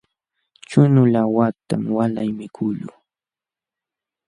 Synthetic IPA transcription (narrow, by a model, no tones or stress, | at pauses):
t͡ʃʊnʊlawat̪amwalajmɪkʰʊʎʊ̰